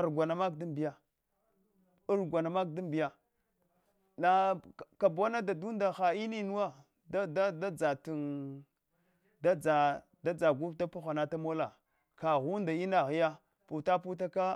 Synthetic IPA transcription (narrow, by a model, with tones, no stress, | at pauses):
a˨ɾɡʷa˨na˨ma˦kdu˦mbi˨ja˨ | u˦ɾɡʷa˨na˨ma˦k̚du˦mbi˨ja˨ | la˨ka˨bo˦na˦da˨du˦nda˨xa˨i˦ni˦nu˦wa˦ | da˦da˦da˦d͡za˨tu˨n | da˦d͡za˨ | da˦d͡za˨ɡu˦ta˦pa˦xʷa˨na˦ta˦mo˦la˨ | ka˨ɣu˦nda˨i˦na˨ɣi˦ja˦ | pu˨ta˦pu˦ta˦ka˦